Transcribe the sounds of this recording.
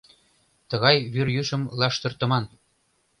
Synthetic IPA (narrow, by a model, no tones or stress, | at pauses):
t̪ɤ̆ɣɑjβyrjyʃə̆mlɑʃt̪ɤ̆rt̪ɤ̆mɑn